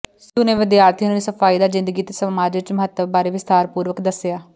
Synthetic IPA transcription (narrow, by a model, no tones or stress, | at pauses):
suneːʋɪd̪jaːɾt̪ʰinːnisəfʰaːiːd̪aːzɪ̃nd̪əɡiːt̪esəmaːd͡ʒɪt͡ʃməɦət̪ːəbːaːɾeːʋɪst̪aːɾpuːɾʋəkd̪əsɪjaː